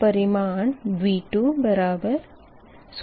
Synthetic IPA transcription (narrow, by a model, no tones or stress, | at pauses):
pɐɾɪmaːɳʋiːʈːubɐɾaːbɐɾ | s